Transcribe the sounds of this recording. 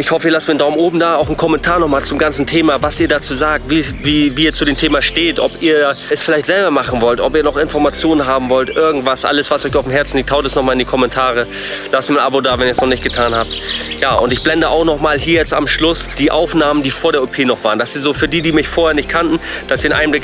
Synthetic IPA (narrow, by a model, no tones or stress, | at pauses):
ʔɪçhɔfəɪçlastmindaʊmʔoːbm̩daːaʊxn̩kʰɔmɛntʰaːɐnɔχmaːlt͡sʊmɡant͡sn̩tʰeːmavasiːɐdaːt͡suːzaːk̚tviviːviːɐt͡sudeːmtʰeːmaʃteːtʔɔpiːɐɛsfɪlaɪçtz̥ɛlbɐmaχn̩vɔltɔpiːɐnɔχɪnfɔɐmat͡sjoːnənɦaːbm̩vɔltʔɪɐɡŋ̩tv̥asʔa̰ləsv̥asɔʏçaʊfm̩ɦɛɐt͡sn̩liktʰaʊtɛsnɔχmaːlɪndiːkʰɔmɛntʰaːʁə | lastmiːɐnʔa̰bodaːvɛniːɐsnɔχnɪçt̚ɡ̥ətʰaːnhaːp̚tjaːʔʊntɪçb̥lɛndəʔaʊxnɔχmaːlɦiːɐjɛt͡sta̰mʃlʊsd̥iːʔaʊfnaːməndiːfoːɐɾeːɐopʰeːnɔχv̥aːʁənd̥asiːɐzoːfyːɐdiːdiːmɪçfoːɐheːɐnɪçt̚kʰantn̩d̥asiɐɪnʔa̰ɪəmblɪk